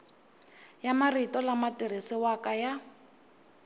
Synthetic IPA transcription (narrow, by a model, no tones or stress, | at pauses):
jamaritɔlamatirisɪwakaja